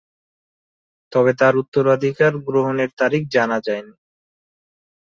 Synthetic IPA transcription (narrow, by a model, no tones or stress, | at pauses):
t̪ɔβet̪aɾut̪ːoɾad̪ʱikaɾɡɾoɦoneɾt̪aɾik̚ʰd͡ʑanad͡ʑaeni